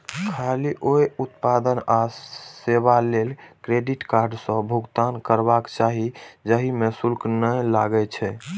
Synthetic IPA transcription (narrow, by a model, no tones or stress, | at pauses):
kʰaliʔojut̪pad̪ənaseβalelkɾeɖiʈkaɾɖsə̃bʱuɡt̪ankəɾbakt͡ʃaɦid͡ʒəɦimesulknəlaɡɛt͡ʃʰɛ